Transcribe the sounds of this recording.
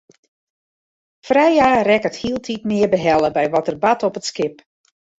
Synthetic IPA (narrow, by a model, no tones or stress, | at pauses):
frɛjaːrɛkəthiəlˠtʰitmɪərbəɦɛlˠəbɛjʋɔtərbatʰɔpətskɪp